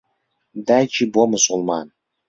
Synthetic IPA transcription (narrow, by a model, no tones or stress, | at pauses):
d̪æt͡ʃʰibomʊsʊlˠmɑ̰n